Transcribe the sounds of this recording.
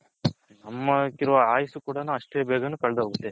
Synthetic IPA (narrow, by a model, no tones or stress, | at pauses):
nɐmːɐkiɾuʋɐaːjisukuːɽɐnuːɐʂʈeːbɛːɡɐnuːkɐɭɐd̪ɐɦoːɡut̪ːe̞